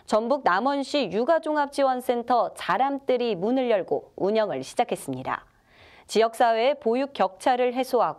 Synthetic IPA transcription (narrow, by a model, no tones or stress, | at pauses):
t͡ɕʌnbuk̚namʌnɕ͈ʰijuɡad͡ʑoŋap̚t͡ɕ͈iwʌns͈ʰe̞ntʰʌt͡ɕaɾamt͈ɯɾimunɯɭjʌɭɡouɲʌŋɯɭɕʰid͡ʑakʰe̞s͈ɯmɲida̰ | t͡ɕijʌk̚s͈awe̞ːpojuk͈jʌk̚t͡ɕʰaɾɯɭɦe̞sʰoɦaɡo